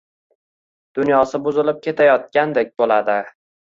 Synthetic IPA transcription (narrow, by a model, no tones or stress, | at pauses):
d̪̥ʊnjɒsɪbʊzɪlɪp̚kʲʰe̞t̪ʰajɒt̪̚kʲand̪ek̚ʲbolad̪ɪ